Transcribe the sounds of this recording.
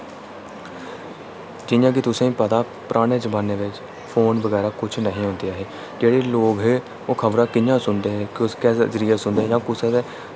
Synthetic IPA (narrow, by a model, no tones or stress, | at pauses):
d͡ʒɪjãːk̬ɪt̪ʊsẽːpəd̪aː | pɾʔaːɽ̃eːd͡ʒəbaːnːeːʋɪt͡ʃ | pʰoːnbəɡɛːɾaːkʊt͡ʃʰnəɦĩːɦõːnd̪eːaːɦeː | d͡ʒeːɽeːloːɡɦeː | oːkʰəbɾãːkɪnjãːsʊnd̪eːɦɛːkkɛːzəɾɪjaːsʊnd̪eːɦjãːkʊsẽːd̪eː